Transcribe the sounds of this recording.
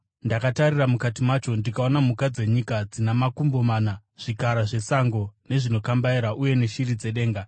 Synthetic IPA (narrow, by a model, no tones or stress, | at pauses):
ndakatariramukatimwat͡ʃo̞ndikao̞namukad͡ze̞ɲikad͡zinamakumbo̞maːnaʐ̥ikaɾaʐe̞saŋɡo̞ne̞ʐino̞kambaiɾaʔuje̞neʃirid͡ze̞ɗe̞ːŋɡa